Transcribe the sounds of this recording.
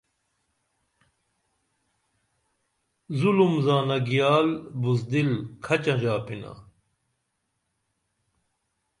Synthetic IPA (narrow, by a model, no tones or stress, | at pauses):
zulumzaːnɐɡijaːlbuzd̪ilkʰɐt͡ɕaʒaːpʰina̰